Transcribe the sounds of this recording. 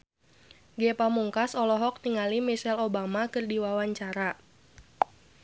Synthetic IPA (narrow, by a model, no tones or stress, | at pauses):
ɡɛpamuŋkasɔlɔɦɔk̚niŋalimisɛlobamakɨrdiwawaɲt͡ʃaɾa